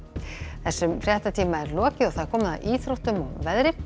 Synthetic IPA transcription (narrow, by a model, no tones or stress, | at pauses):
θɛsːʏmfɾjɛht̪at̪ʰiːmaɛɾlɔːcɪɔɣθaðɾ̥kʰɔːmʏna̰ðiːθɾowht̪ʏmɔwvɛðɾɪ